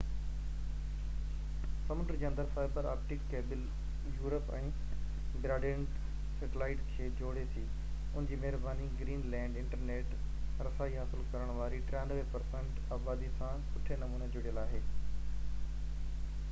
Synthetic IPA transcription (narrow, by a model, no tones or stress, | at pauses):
sɐmʊʈəɾd͡ʑiːə̃nd̪əɾfaːɪbəɾaːpʈɪkːeːbɪl | juːɾəpɛ̃ː | bɾaːɖẽn | seʈɪlaːɪʈkʰeːd͡ʑoːɽet̪ʰiː | ʊnɪ̃ɲd͡ʑiːmɛɦɪɾbaːniɡɾiːnlɛ̃ːɳɖɪ̃ɳʈəɾneːʈ | ɾɐsaːiɦaːsɪlkɐɾəɽ̃ʋaːɾiʈɾjaːnʋepɐɾsɛ̃ɳʈ | aːbaːd̪isãsʰʊʈʰenɐmũːned͡ʑʊɽijəlaːɦeː